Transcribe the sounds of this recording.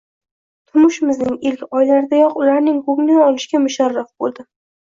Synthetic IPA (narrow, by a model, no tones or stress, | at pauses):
t̪ʰʊɾmʊʃɪmɪznɪŋɪlkʲɒjlaɾɪd̪ajɒqʊlaɾnɪŋhoɡnaɒlɪʃɡʲamʊʃaɾːafbolˠd̪ɪ